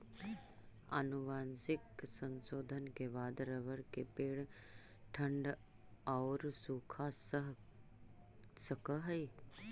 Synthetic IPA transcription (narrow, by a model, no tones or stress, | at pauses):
ə̰nuʋaːnsɪksənsoːd̪ʱənkeʋaːd̪ɾəʋəɾkepeːɽ | ʈʰəɳɖ | aɾsuːkʰaːsɦ | səkəɦəj